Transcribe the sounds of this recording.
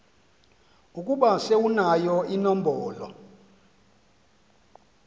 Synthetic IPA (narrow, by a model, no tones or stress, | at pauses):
ukʼuɓasewunajɔinɔm̩bʱɔːlɔ̰